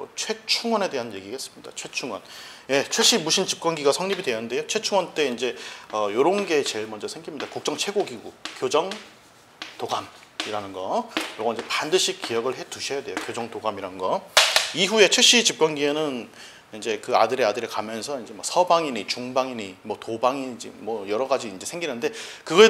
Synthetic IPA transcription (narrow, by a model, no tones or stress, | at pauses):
ʌt͡ɕʰwe̞t͡ɕʰuŋwʌne̞de̞ɦanje̞ɡiɡaɦes͈ɯ̥mɲid̥a̰t͡ɕʰwe̞t͡ɕʰuŋwʌnje̞t͡ɕʰweɕ͈imuɕʰint͡ɕip̚k͈wʌnɡiɡasʰʌŋɲibidwe̞jʌnde̞jot͡ɕʰwe̞t͡ɕʰuŋwʌnt͈e̞ind͡ʑe̞ʌjoɾonɡe̞t͡ɕe̞ɭmʌnd͡ʑʌsʰeŋɡimɲidakuk̚t͡ɕ͈ʌŋt͡ɕʰwe̞ɡoɡiɡukjod͡ʑʌŋ | toɡamiɾanɯnɡʌjʌɡoind͡ʑepandɯɕʰik͈ijʌɡɯɭɦe̞tuɕʰʌjadwe̞jokjod͡ʑʌŋtoɡamiɾanɯnɡʌiɦue̞t͡ɕʰweɕ͈it͡ɕip̚k͈wʌnɡienɯn | ind͡ʑe̞kɯadɯɾe̞adɯɾekamjʌnsʰʌind͡ʑe̞mwʌsʰʌbaŋiɲit͡ɕuŋbaŋiɲimwʌtobaŋid͡ʑimwʌjʌɾʌɡad͡ʑiːnd͡ʑe̞sʰeŋɡinɯnde̞kɯɡʌe